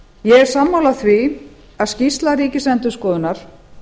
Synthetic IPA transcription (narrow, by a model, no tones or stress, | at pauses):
jɛɣɛɾ̥saːmːawlaθvi | aðscist̪laɾiːcɪsɛnt̪ʏskɔːðʏnaɾ̥